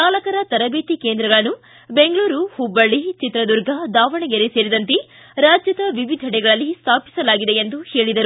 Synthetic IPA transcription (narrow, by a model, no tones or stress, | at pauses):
naːlɐkɐɾɐt̪ɐɾɐbeːt̪ikeːnd̪ɾɐɡɐɭɐnːu | beŋɡɐɭuːɾuhubːɐɭit͡ʃit̪ɾɐd̪uɾɡʱɐd̪aːʋɐɳeɡeɾese̞ːɾid̪ɐnt̪e | ɾaːd͡ʒjɐd̪ɐʋiʋid̪ʱɐɽɛɡɐɭɐlːist̪ʰaːpi̥sɐlaːɡid̪e̞end̪uhe̞ːɭid̪ɐɾu